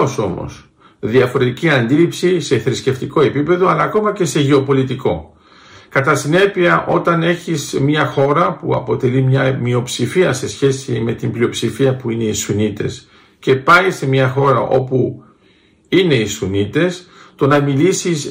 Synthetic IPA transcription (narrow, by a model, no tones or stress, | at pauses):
oso̞mo̰s | ðiɐfo̞ɾe̞t̪iciɐnd̪ilipsise̞θɾisce̞ft̪iko̞e̞pipe̞ðo̞ɐlɐːko̞mɐce̞se̞ʝeo̞po̞lit̪iko̞ | kɐt̪ɐsine̞piɐʔo̞t̪ɐne̞çismɲɐxo̞ɾɐpuɐ̰po̞t̪e̞limɲɐmio̞psifiɐse̞sçe̞sime̞t̪imblio̞psifiɐpuine̞isunit̪e̞s | ce̞pɐisemɲɐxo̞ɾɐʔo̞pu | ine̞isunit̪e̞st̪o̞nɐmilisis